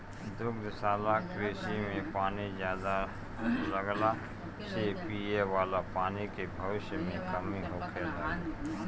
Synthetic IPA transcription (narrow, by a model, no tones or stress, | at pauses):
d̪ʊɡd̪saːlakɾeːʃimẽpaːnizjaːd̪a | ləɡla | sepiːeʋaːlapaːnikebʱɐʋɪʃjmẽkɐmiɦoːkʰeːla